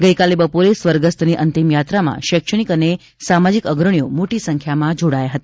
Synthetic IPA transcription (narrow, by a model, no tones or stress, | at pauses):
ɡəikalebəpoɾesʋəɾɡəst̪ʰniʔənt̪imjat̪ɾamã̰ʃəkʃəɳ̃ikəne | samad͡ʒikəɡɾəɳijomoʈisəŋkʰjamãd͡ʒoɽajaɦət̪ḁ